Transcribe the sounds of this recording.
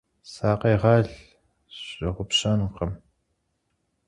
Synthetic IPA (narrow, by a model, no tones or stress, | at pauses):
saːqeːʁɑːɮ | ɕɐʁʷʊpɕanqɐm